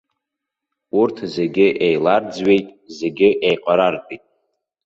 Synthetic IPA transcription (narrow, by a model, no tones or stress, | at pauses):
urtʰze̞ɡʲɪʔejlard͡zɥe̞jtʼze̞ɡʲɪʔejqʼaɾarpʼitʼ